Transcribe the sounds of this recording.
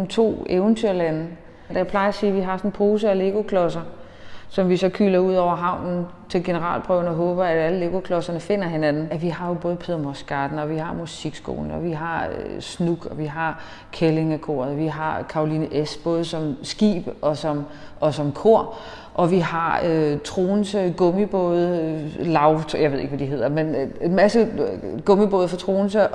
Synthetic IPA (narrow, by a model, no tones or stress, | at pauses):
mt͡sʰo̝̰ːeʊnt͡sʰyɐ̰læn̩ | d̥æjpʰlɑ̈ɪɐɒsiːʋiɦɑ̈sɒ̽npʰo̝ːsəɒle̝ɡ̥o̝kʰlɒ̽sɐ | sɒ̽mʋisɒ̽kʰy̰ːlɐuð̞̰ˠɒʊ̰ɐɦɑ̈ʊ̰nn̩ | t͡sʰe̝lɡ̥e̝nəʁɑ̰̈ːl̰pʰʁœʊnəɒ̽ɦɔ̽ːb̥ɐæ̥æləle̝ɡ̥o̝kʰlɒ̽sɐnəfe̝n̰ɐɦenænn̩æʋiɦɑ̈jo̝b̥ɔ̽ːð̞̩ˠpʰeðˠɐmosɡ̥ɑd̥n̩ɒ̽ʋihɑ̈musiɡ̥sɡ̥o̝̰ːln̩ɒ̽ʋiɦɑ̈snuɡ̥ɒ̽ʋiɦɑ̈ | kʰele̝ŋækʰo̝̰ːɐð̩ˠɒʋiɦɑ̈kʰɑ̈ʁo̝liːnəʔesb̥ɔ̽ːð̞ˠsɒ̽msɡ̥ḭːb̥ʔɒ̽sɒ̽m | ʔɒ̽sɒ̽mkʰo̝ɐ̰ | ʔɒ̽ʋihɑ̈øt͡sʰʁo̝ːnsəɡ̥ɔ̽mib̥ɔ̰ːðˠlɑ̈ʊjɑɪʋe̝ð̞ˠe̝ɡ̥ʋæd̥iɦe̝ð̰ˠɐmenmæsəɡ̥ɔ̽mib̥ɔːð̞ˠfɒ̽t͡sʰʁo̝ːn̩sə